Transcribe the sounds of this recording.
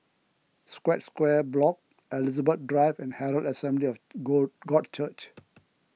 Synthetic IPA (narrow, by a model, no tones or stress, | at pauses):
skwɛtskwɛblɔk̚ | ʔɛlizəbət̪̚dɹaɪvɛ̃nhɛɾəldəsɛ̃mbliɔfɡɔt̚t͡ʃət͡ʃ